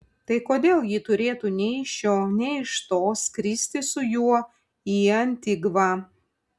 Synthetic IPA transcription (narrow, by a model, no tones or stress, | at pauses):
t̪ɐɪkoːd̪ʲeːlˠjiːt̪ʊɾʲeːt̪uːnʲɛɪʃʲjʲoːnʲɛɪʃt̪oːskɾʲiːsʲt̪ʲɪsʊjuɔ | iːɐnʲt̪ʲɪɡʋɑː